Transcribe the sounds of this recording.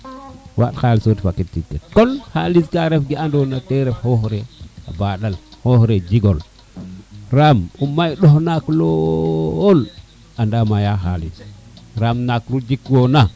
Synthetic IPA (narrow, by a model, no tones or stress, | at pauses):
wa̰txaːlsotifakːit̚titkekonhaliskaɾefɡiandonateɾefhohɾea̰baɗalhohɾed͡ʒiɡol | ɾamumːajɗohnaklool | andamajaɦalḭsɾamnakɾud͡ʒikwona